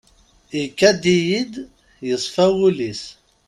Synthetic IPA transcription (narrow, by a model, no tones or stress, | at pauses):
ikːæd̪ijid̪ | jəsˤfæwulis